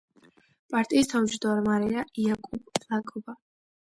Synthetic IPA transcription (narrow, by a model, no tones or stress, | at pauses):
pʼaɾt̪ʼiːst̪ʰamd͡ʒʰd̪ɔɾmaɾɛaʔiakʼubʼlakʼɔba